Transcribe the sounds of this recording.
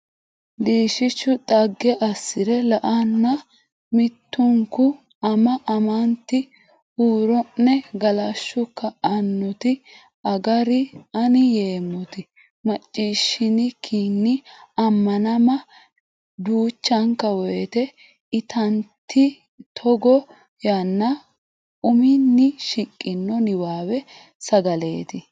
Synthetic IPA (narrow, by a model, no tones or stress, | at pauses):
d̪iːʃɪʃʊt̪ʼɐɡːɛʔɐsːɪɾɛlɐʔɐnːɐ | mɪt̪ːʊŋkʊ | ɐmɐʔɐmɐnt̪ɪ | huːɾɔnːɛɡɐlɐʃːʊkːɐɐnːɔt̪ɪ | ɐɡɐɾɪɐnɪjeːmɔt̪ɪ | mɐt͡ʃʼːiːʃːɪnɪkʰinːɪɐmːɐnɐmɐ | d̪uːt͡ʃːɐŋkːɐwɔjɛt̪ɛ | ɪt̪ʰɐnt̪ːɪ | t̪ʰɔɡɔ | jɐnːɐ | ʊmɪnːɪʃɪkʼːɪnːɔnɪwaːwɛ | sɐɡɐle̞ːt̪ɪ